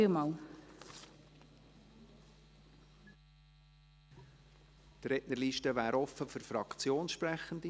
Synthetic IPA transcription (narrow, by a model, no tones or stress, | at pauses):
imɑːl | t̪ɾɛʔnəɾliːʃtəvæːɾɔfəfʏɾfɾɑkt͡sjoːnʃpɾæχːən̩d̪i